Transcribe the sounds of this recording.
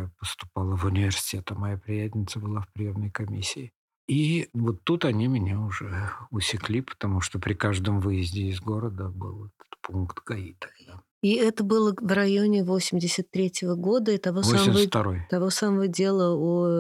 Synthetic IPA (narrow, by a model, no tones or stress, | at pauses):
apəst̪ʊ̥palˠəvʊnʲɪvʲɪrsʲɪ̥tʲet̪əmɐjapɾʲɪjæt̪ʲnʲɪt̪səbɨlˠafpɾʲɪje̞mnəjkɐmʲisʲːɪː | ivot̪ːut̪ɐnʲimʲɪnʲeʊʐɛʊsʲɪklʲipə̥t̪ɐmuʂt̪opɾʲɪkaʐd̪əmvɨjɪzʲdʲɪːzɡo̞ɾəd̪əbɨ̰lˠɛt̪ə̥t̪punkt̪ɡ̥ɐit̪ə̥d̪a | iɛt̪əbɨlˠəvrɐjo̞nʲɪvo̞sʲɪmʲdʲɪsʲət̪ːɾʲetʲɪvəɡo̞d̪əɪt̪ɐvovosamft̪ɐɾo̞jt̪ɐvo̞saməvədʲe̞lˠəu